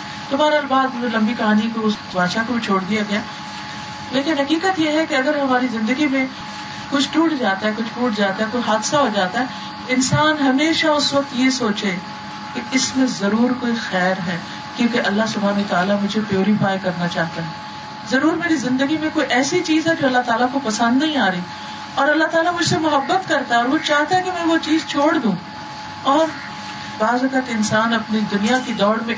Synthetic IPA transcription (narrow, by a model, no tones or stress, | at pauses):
t̪ʊbaːɾaːlbaːd̪olɐ̃mbikɐɦaːniːkoʊs | baːʃakobʱit͡ʃʰoːɽd̪ijaɡɐjaː | leːkɪnɦɐkiːkət̪jeɦɛkeɐɡəɾɦɐmaːɾizɪ̃nd̪əɡimẽ | kʊt͡ʃʰʈuːʈʰd͡ʒaːt̪aɦɛkʊt͡ʃʰʈuːʈd͡ʒaːt̪aɦɛkoiɦaːd̪saɦod͡ʒaːt̪aɦɛː | ɪnsaːnɦɐmeːʃaʊsʋɐk̚t̪jesoːt͡ʃe | keɪsmẽzɐɾuːɾkoːixɛːɾɦɛː | kjõːkeʔɐlːaɦsʊbʱaːnoɦt̪aːlamʊd͡ʒʱepjoːɾifaːjkɐɾnat͡ʃaːɦt̪aɦɛː | zɐɾuːɾmeːɾizɪ̃nd̪əɡimẽkoːiʔɛːsit͡ʃiːzɦɛd͡ʒoːɐlːaɦt̪aːlakopɐsə̃nd̪nɐɦĩaːɾɐiː | ɔːɾɐlːaɦt̪aːlamʊd͡ʒʱsemʊɦəbːət̪kɐɾt̪aɦɛɔɾʋot͡ʃaːɦt̪aɦɛ̃kemɛ̃ʋot͡ʃiːzt͡ʃʰoːɽd̪ũː | ɔːɾ | baːzɐkət̪ɪ̃nsaːnɐpnid̪ʊnijakid̪ɔːɽmẽ